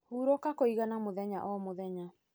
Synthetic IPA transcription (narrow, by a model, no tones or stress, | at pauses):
huːɾɔkakoiɣanamoðɛɲaʔɔmoðɛɲa